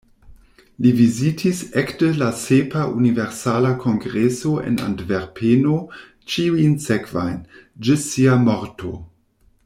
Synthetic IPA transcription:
livizitʰisektəlasepaʔuniveɾsalakʰoŋɡɾesoḛna̰ndveɾpʰeno | t͡ʃiujnsekva̰jnd͡ʒɪsiamoɾto̰

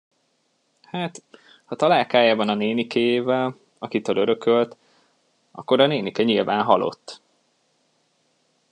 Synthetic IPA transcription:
haːt̪ | hɒt̪ɒlaːlkaːjaːbɒnɒneːnikʰɛjeːvɛl | ɒkit̪øːløɾø̞kølt̪ | ɒ̰kːo̞ɾɒneːnikɛɲilvaːnɦɒ̰lo̞̰t̪ː

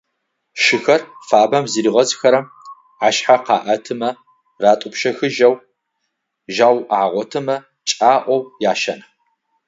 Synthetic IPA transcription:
ʃɪxɐrfaːbɐmziɾiʁɐzʼxɐɾɐm | aːʃħaqɑːʔɐtʰɨmɐ | raːtʼʊpʃɐxɨʒɐw | ʒaːwaːʁʷɔtʰɨmɐ | t͡ʃʼaːʔʷɔwjaːʃɐn

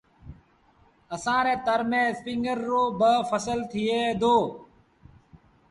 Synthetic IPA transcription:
əsãːɾeːt̪əɾmẽːspiːŋɡəɾːoːbəfʰəsəlt̪ʰɪiːeːd̪ʱoː

